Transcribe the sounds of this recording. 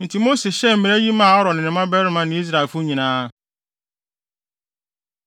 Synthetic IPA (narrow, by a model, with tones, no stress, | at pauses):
n̩˨tʰi˨mo˦se˨ɕɛ˦m̩˨mɪ̃˨ɾæ˦ji˦mãː˦˨ɔ˦ɾɔ˨nɪ̃˨nɪ̃˨mã˦bɛ˦ɾɪ˦mã˦nɪ̃˨˦i˦s̬ɾa˨e˨lfʊ˦ɲĩ˨nãː˦